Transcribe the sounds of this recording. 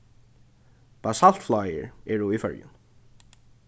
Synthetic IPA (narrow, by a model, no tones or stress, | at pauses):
b̥asal̥t̪flajə̰ɹɛːɹʊifœ̰ɹjʊ̰n